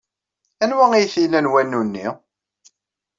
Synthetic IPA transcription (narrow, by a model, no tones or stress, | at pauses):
ænwæŋijθinænwænːunːḭ